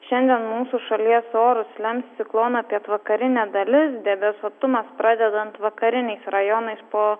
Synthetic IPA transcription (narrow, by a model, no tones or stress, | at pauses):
ʃʲɛnʲd̪ʲiɛnmuːsuːʃɐlʲiɛsoːɾʊslʲɛmʲssʲɪklˠoːnɐɐpʲiɛt̪ʋɐkɐɾʲɪnʲɛd̪ɐlʲɪsd̪ʲɛbʲɛsoːt̪ʊmɐspɾɑːd̪ʲɛd̪ɐnt̪ʋɐkɐɾʲɪnʲɛɪsɾɐjonɐɪspoː